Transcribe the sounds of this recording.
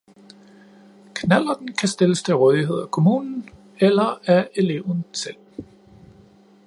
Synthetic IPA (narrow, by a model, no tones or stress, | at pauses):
kʰnæl̰ɐ̥n̩kʰæsd̥e̝ləst͡sʰe̝ʁɔːð̞ˠiɦe̝ð̞̰ˠækʰo̝muːnn̩ | elɐæʔe̝le̝̰ʊ̰n̩sel̰